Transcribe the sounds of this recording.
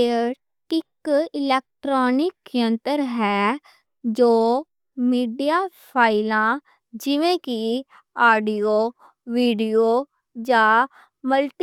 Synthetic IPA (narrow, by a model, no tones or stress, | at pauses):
ʈɪkɪlɛːk̚ʈɾoːnɪkːjənt̪əɾɦɛː | d͡ʒoː | miːɖijaːpʰaːɪlãː | d͡ʒɪʋẽːki | aːɖioː | ʋiːɖijoː | d͡ʒaː | məlʈ